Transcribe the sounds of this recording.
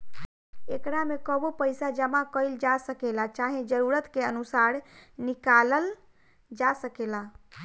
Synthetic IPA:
ekɾamekəbopəjsad͡ʒəmakəjld͡ʒasəkelat͡ʃaɦẽd͡ʒəɾuɾət̪keənusaɾnikaləl | d͡ʒasəkela

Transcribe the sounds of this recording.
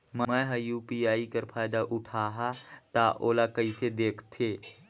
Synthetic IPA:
mə̃ɛ̃ɦɐjuːpiaːikəɾpʰaːjd̪aʔʊʈʰaːɦat̪aʔoːlakəit̪ʰed̪eːkʰt̪ʰeː

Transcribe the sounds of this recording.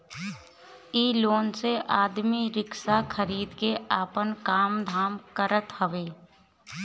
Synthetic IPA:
iːloːnseʔaːd̪miɾɪksakʰəɾiːd̪keaːpənkaːmd̪ʱaːmkəɾət̪həʋeː

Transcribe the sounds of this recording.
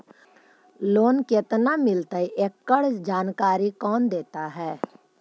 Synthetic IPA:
loːnket̪namɪlt̪aiʔekːəɽsd͡ʒaːnkaːɾikɔːnd̪eːt̪aɦɛː

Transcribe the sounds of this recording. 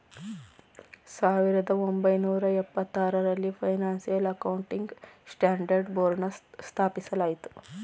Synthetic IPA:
saːʋiɾɐd̪ɐombɐjnuːɾɐɛpːɐt̪ːaːɾɐɾɐlːipʰɐjnaːnsijɐlɐkɐwuɳʈiŋɡsʈaːɳɖɐɾɖboːɾɳɐst̪ʰaːpisɐlaːjit̪u̥

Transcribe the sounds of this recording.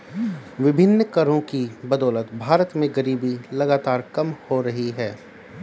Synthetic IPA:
ʋɪbʱɪnːkɐɾõkibɐd̪ɔːlət̪bʱaːɾət̪mẽɡɐɾiːbilɐɡaːt̪aːɾkɐmhoɾɐɦiɦɛː

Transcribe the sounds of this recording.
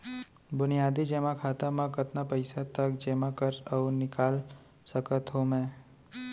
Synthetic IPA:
bʊnijaːd̪id͡ʒɛːmãkʰaːt̪amãkət̪napəɪsat̪əkd͡ʒeːmãkəɾəunɪkaːl | səkət̪ɦomɛ̃ː

